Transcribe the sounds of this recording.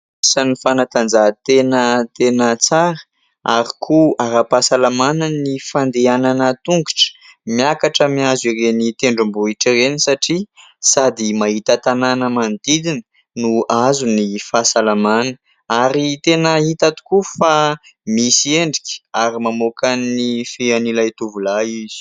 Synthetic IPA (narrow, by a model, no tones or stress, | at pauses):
sanifanat̪and͡zat̪enət̪enət͡saɾə | aɾikʰuaɾapasalamanənifand̪eananət̪uŋɡuʈ͡ʂə̥miakaʈ͡ʂəmiazirenit̪eɳɖ͡ʐumbuiʈ͡ʂirenisaʈ͡ʂi | sad̪imaɦit̪ət̪ananəmand̪id̪inə̥ | nuʔazunifasalamanə̥ | aɾit̪enəɦit̪at̪u̥kufamisieɳɖ͡ʐikʲə̥aɾimamokanifeanilajt̪uvulaiz̥i̥